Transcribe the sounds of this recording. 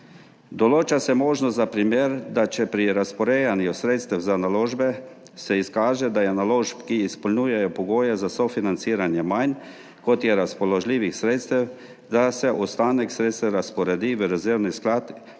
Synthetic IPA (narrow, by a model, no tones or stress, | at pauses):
d̪ɔloːt͡ʃasɛmoːʒnɔst̪zapɾimjeːɾd̪at͡ʃɛpɾiɾaspɔɾeːjanjusɾeːt̪st̪ɛwzanaloːʒbɛ | sɛiskaːʒɛd̪ajɛnaloːʃpkiːspɔlnuːjɛjɔpɔɡoːjɛzasɔfinant̪siːɾanjɛmajn | kɔt̪jɛɾaspɔlɔʒliːʋixsɾeːt̪st̪ɛw | d̪asɛʔust̪aːnɛksɾet̪st̪ɛɾaspɔɾɛd̪iʋəɾɛzeɾnisklaːt̪